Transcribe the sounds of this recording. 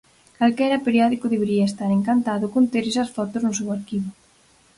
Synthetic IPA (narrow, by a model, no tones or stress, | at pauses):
kalkɛɾɐpeɾjɔðikʊðeβeɾiɐest̪aɾeŋkant̪aðʊkont̪eɾesɐsfɔt̪ʊznʊsewaɾkiβʊ